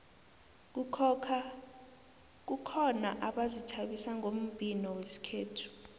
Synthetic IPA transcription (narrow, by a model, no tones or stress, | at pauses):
kʰa | k̬ukʰɔna̰ʔaɓazitʰaɓisaŋʱom̩bʼʱinɔwesi̥kʰeːtʰu̥